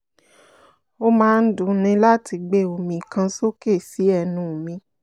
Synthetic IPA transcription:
o˦mãː˧n̩˦dũ˨˦nĩ˧la˦ti˧ɡ͡be˦˨o˨mĩ˨kã˧so˦ke˦˨si˨˦ɛ˦˧˨nũ˨mĩ˧

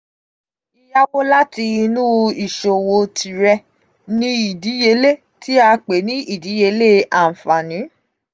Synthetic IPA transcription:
i˧ja˦wo˦la˦ti˧nũ˦i˨ʃo˨wo˧tʰi˨ɾɛ˧ | nĩ˦i˨di˨˦je˧le˦˨ | ti˦a˧k͡pe˨˦nĩ˦ʔi˦˨di˨˦je˧le˦ʔa˨n̩˨fa˨nĩ˨˦

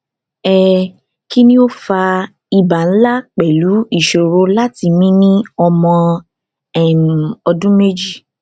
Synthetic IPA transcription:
ɛ˨ | ki˦nĩ˦o˦fa˧ | i˧ba˨n̩˦la˦k͡pɛ˨lu˨˦i˦˨ʃo˨ɾo˧˦la˦ti˧mĩ˦nĩ˦ɔ˧mɔ̃˧ | ɛ˦˨m˨ɔ˧dũ˦me˦d͡ʒi˦˨

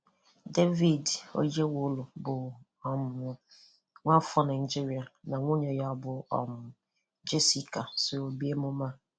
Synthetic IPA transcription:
de˦vi˨do̰˦je˦wʊ˦lʊ˨bʊ˨ | ɔ˨m˨ʊ˨ | ŋʷa˦fɔ˦na˨i˨d͡ʒi˦ɾi˨a˨na˨ŋʷo˦ɲe˨ja˦ɔ˦bʊ˦ɔ̰˨mʊ˨ | d͡ʒe˦si˦ka˨so˨o˨bi˦e˦mʊ˦ma˦˨

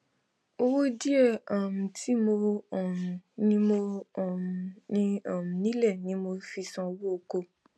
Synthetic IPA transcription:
o˧wo˦di˦ɛ˦˨a˨m̩̃˨tʰi˨˦mo˧ɔ˨mũ˨nĩ˧˦mo˧ɔ˨m˨nĩ˧a˨m̩˨nĩ˨˦lɛ˦˨nĩ˨˦mo˧fi˧sɔ̃˧wo˦o˧ko˧

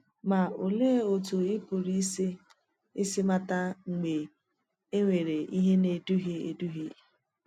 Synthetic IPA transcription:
ma˨o˨le˦e˦o˨tu˨ɪ˦pʊ˨ɾi˦s | ɪ˦sɪ˦ma˦ta˦ŋ͡m̩˨ɡ͡be˨ | e˦ŋʷe˨ɾe˨ʔi˦ɦe˦ne˨du˦ɦe˦ḛ˨du˦ɦi˦

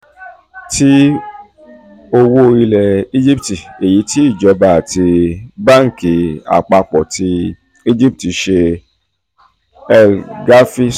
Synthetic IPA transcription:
ti˦ | o˧wo˦˧ɾi˧lɛ˨i˦d͡ʒi˦pti˨e˨ji˨˦ti˦i˦˨d͡ʒɔ˨˦ba˨a˨ti˧ba˦˨ŋ̩˨ki˨˦a̰˨k͡pa˧k͡pɔ˨tʰi˧ | i˦d͡ʒi˦p̚ti˨˧ʃe˧ | ɛ˧ɡa˦fi˦

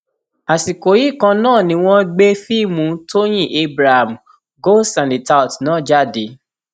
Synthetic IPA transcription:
a˨si˨ko˨˦ji˦˨kã˧nãː˦˨nĩ˧w̃ɔ̃˦ɡ͡be˦fi˦˨mũ˧˦to˦j̃ĩ˦˨ʔe˧˦bɾa˨ha˨m̩˨ | ɡo˦sã˨li˨ta˧o˨tnãː˦˨d͡ʒa˦˨de˨˦

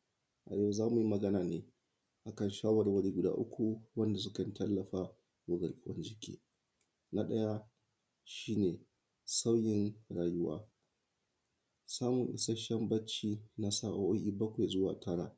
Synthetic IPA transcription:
ʔa̰˨je˦wa˨zaː˦mu˨ji˦mɐ˨ɡɐ˦naː˨neː˨ | ʔa˨kɐ˦˨nʃaː˦wɐ˨rwɐ˦ɽiː˦ɡʷʊ˨da̰ː˦ʔʊ˦kʷu˨wɐ˦nda˨s̬ʊ˦kɐ˨n˦tɐ˦lːɐ˨ɸaː˦ | wʊ˦ɡɐ˨lkʼɪ˦wɐ̰˦nd͡ʒɪ˦kʲʰḭː˦ | na˦ɗɐ˦ja˦ | ʃiː˦neː˨ | sa˦wjɪ˦nɽaː˨jʊ˦wa̰ː˦ | saː˦mʊ˨ŋʔɪ̰˨sɐ˦ʃɐ˦mbɐ˦t͡ʃiː˦na˦saː˦˨ʔa˨˦ʔo˦ʔiː˦bɐ˦kʷe˨jzʊ˦wa̰ː˨tʰɐ˦ɽa̰ː˨

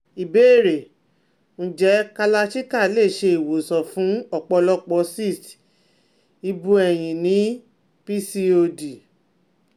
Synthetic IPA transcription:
i˨be˨˦e˦˨ɾe˨ | ñ̩˧˦d͡ʒɛ˨˦ka˧la˧ʃi˦ka˦˨le˦˨ʃe˧i˨wo˨sɔ˨fũ˨˦ɔ˦˨k͡pɔ˧lɔ˦k͡pɔ˧si˦˨t | i˧bũ˧˦ɛ˨j̃ĩ˨nĩ˨˦ | pi˦si˧o˧di˨

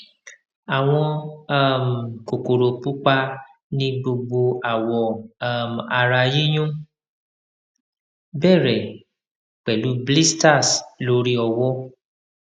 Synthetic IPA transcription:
a˨w̃ɔ̃˧a˦˨m̩˨ko˨ko˨ɾo˨pu˦k͡pa˦ | nĩ˦bo˧ɡ͡bo˧a˨wɔ˨a˨m˨a˧ɾa˧ji˦j̃ũ˦ | bɛ˦˨ɾɛ˨ | k͡pɛ˨lu˨˦bli˦sta˦˨slo˦ɾi˦ɔ˧wɔ˦

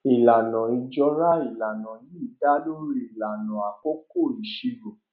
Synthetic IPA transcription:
i˨la˨nã˨i˧d͡ʒɔ˧ɾa˦i˨la˨nã˨ji˨˦i˦˨da˦lo˦ɾi˧i˨la˨nɔ̃˨a˨ko˦ko˦˨i˨ʃi˧ɾo˨

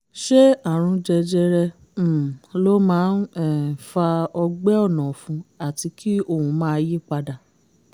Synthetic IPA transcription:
ʃe˦a˦˨ɾ̃ũ˧d͡ʒɛ˧d͡ʒɛ˧ɾɛ̃˧˦˨ | lo˦mãː˦nɛ˦˨fa˧ɔ˧ɡ͡bɛ˦ɔ˦˨nɔ̃˨fũ˧˦a˦˨ti˧kʰi˦o˦˨hũ˧˦mãː˦ji˦k͡pa˧da˨

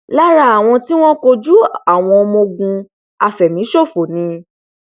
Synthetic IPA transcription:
la˦ɾa˧˦a˨w̃ɔ̃˧ti˦w̃ɔ̃˦ko˧d͡ʒu˦a˦˨w̃ɔ̃˧mo˧ɡũ˧ | a˧fɛ˨mĩ˨˦ʃo˦˨fo˨nĩ˨˧

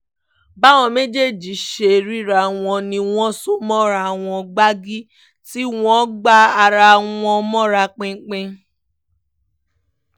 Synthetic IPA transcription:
ba˦w̃ɔ̃˧me˦d͡ʒe˦˨d͡ʒi˨˦ʃe˧˨ɾi˦ɾa˨w̃ɔ̃˧nĩ˧w̃ɔ̃˦so˦mɔ̃˦ɾa˧w̃ɔ̃˧ɡ͡ba˦ɡi˦ | ti˦w̃ɔ̃˦ɡ͡ba˦a˧ɾa˧w̃ɔ̃˧mɔ̃˦ɾa˧k͡pẽ˧˦k͡pẽ˧

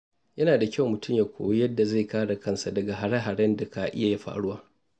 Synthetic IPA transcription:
jɐ˦naː˨da˨kʲa˦˨wmʊ˨tʊ˦mjaː˨kʷo̰˨wjɐ˦dːa˨ze˦˨kaː˦ɽa˨kʰɐ˦˨nsa˨dɐ˨ɡa˨ɦa˨ɽa˦ɦa˨ɽɛ˦nda˨ka˨ʔɪ̰˦ja˨ja˦ɸa̰ː˨ɽʊ˦aː˦

